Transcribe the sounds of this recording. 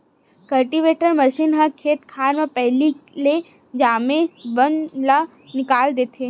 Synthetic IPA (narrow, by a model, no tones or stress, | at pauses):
kɐlʈiʋeːʈəɾmɐʃiːnɦɐkʰeːt̪kʰaːɾmẽpɛɦlile | d͡ʒaːmẽʋɐnla | nɪkaːld̪eːt̪ʰeː